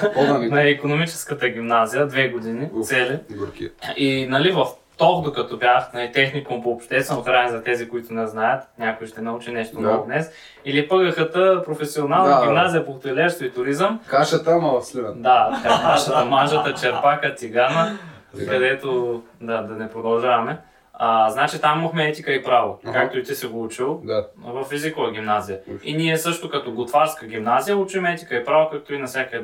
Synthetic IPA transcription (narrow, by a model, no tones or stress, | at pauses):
nɐikonomit͡ʃɛ̥skət̪əɡ̟ʲimnazijəd̪vɛɡod̪inisɛlikinɐlivɐf | t̪ɔxd̪okɐt̪ɔbjaxnɐlit̪ɛxnikompoːpʃt̪ɛst̪vɛnoxɾanzɐt̪ɛzikoit̪ʊnɛznajət̪nʲakojʃt̪ɛnɐut͡ʃinɛʃt̪onɔɡʊd̪nɛs | ilipəɡəxət̪əpɾofɛsionalˠnɡʲimnazijəpoxt̪ɛlɛʃst̪oit̪ʊɾizəmkaʃət̪əmɐvɐfslivd̪aɐkak̪aʃət̪ɐmaʒət̪ət͡ʃɛɾpaxət̪ʲiɡanəkɐd̪ɛt̪o | d̪ad̪ɐnɛpɾod̪ɐlˠʒavɐmɛ | aznat͡ʃit̪amimɐxmɛɛt̪ikəipɾavokak̚t̪ʊit̪isɛɡout͡ʃilˠvɐfizikovɐɡ̟imnazijəiniɛsɤʃt̪okɐt̪ɔɡot̪vaɾskəɡ̟ʲimnazijəut͡ʃuimɛt̪i̥kəipɾavokak̚t̪oinɐfsʲjakə